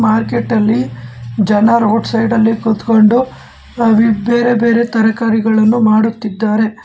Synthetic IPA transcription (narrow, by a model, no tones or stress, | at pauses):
maːɾke̞ʈːɐlːid͡ʒɐnɐɾoːʈsɐjɖɐlːikut̪ko̞ɳɖu | ʋbe̞ːɾe̞be̞ːɾe̞t̪ɐɾɐkaːɾiɡɐɭɐnːumaːɽut̪ːid̪ːaːɾe̞